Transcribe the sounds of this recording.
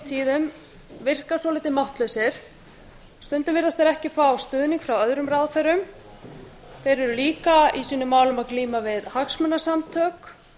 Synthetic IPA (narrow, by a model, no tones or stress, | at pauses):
t̪ʰiːðʏm | vɪr̥kasɔlɪːt̪ɪmawht̪lœɥsɪɾ̥ | st̪ʏnt̪ʏnvɪɾðast̪eɾɛhcɪfawst̪ʏːðniŋkfɾawœðɾʏmɾawθɛɾʏm | θejɾɛɾʏliːkaisiːnʏmːaːwlʏmaðkliːmavɪðhaksmɛnːasamt̪ʰœːk